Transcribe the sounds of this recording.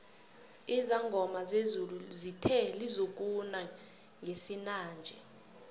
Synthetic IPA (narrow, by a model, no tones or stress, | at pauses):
izaŋɡʱɔmazezuluzitʰɛlizok̬una | ŋɡesinaːnd͡ʒʱɛ